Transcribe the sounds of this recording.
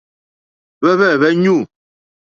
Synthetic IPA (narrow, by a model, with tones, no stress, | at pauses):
βɛ˦βɛ˦˨βɛ˦ɲu˦˨